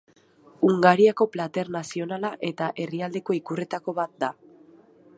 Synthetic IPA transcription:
uŋɡaɾiako̞plat̪e̞ɾnasio̞nalaʔe̞t̪aʔe̞riald̪e̞ko̞ikure̞t̪ako̞βat̪̚d̪a

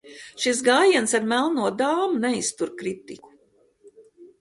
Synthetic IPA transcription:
ʃis̬ɡaːjiɛnsaɾmælˠnuɔd̪aːmunɛist̪uɾkɾit̪iku̥

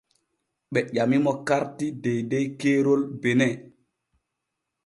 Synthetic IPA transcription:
ɓɛʄamimɔkaɾtidejdejkeːɾolbenɛ

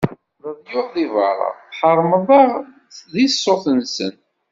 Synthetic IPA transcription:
ðəðjʊɾðivɑ̰ɾˤə̰θħəɾˤməðˤəʁ | ðisːoθənsə̰n

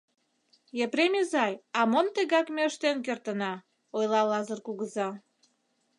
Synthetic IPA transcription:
jepɾemʲezɑjɑmont̪əɣɑkmeəʃt̪enk̬ert̪ənɑ | ojlɑlɑzərkuɣəzɑ

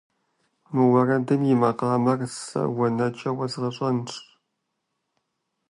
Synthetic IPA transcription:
nuwɐrɐdɨnjɪmɐqɑːmɐrsɐ̰wɐnɐt͡ʃʼɐwɐzʁɐɕʼɐnʈ͡ʂ

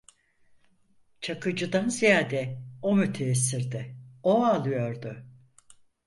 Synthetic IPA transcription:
t͡ʃʰakʰɯd͡ʒɯd̪anzijaːd̪ɛomyt̪ʰeːs̬iɾd̪ɪoalˠɯjo̞ɾd̪ʊ

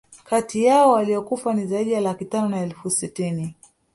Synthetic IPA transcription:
katijaɔwaliɔkufanizaiɗijalakitanɔnaɛlfusitini

